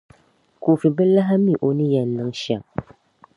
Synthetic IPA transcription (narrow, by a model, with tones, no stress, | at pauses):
ku˨fi˨bɨ˦la˦ɦa˦mi˦˨ʔo˨nɨ˦jɛ˨nːɨ˦ŋʃa˨ŋ